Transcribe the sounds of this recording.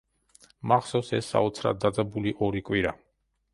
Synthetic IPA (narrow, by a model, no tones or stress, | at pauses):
maχsɔsɛsːa̰ɔt̪sʰɾa̰d̪ːad̪zabuliʔɔɾikʼwiɾa